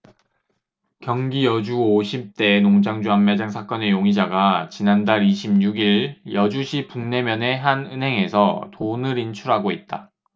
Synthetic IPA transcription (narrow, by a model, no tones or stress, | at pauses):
kjʌŋɡijʌd͡ʑuoɕʰip̚t͈e̞noŋd͡ʑaŋd͡ʑuamːad͡ʑaŋsʰak͈ʌne̞joŋid͡ʑaɡat͡ɕinandaɾiɕʰimɲuɡiɭjʌd͡ʑuɕʰipuŋne̞mjʌne̞ɦanɯnɦe̞ŋe̞sʰʌtonɯɾint͡ɕʰuɾɦaɡoit̚t͈a